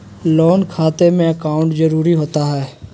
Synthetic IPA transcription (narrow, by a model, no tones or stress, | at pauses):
lɔːnkʰaːt̪emẽɐkaːʊ̃ɳʈzəɾuːɾiɦoːt̪aɦɛː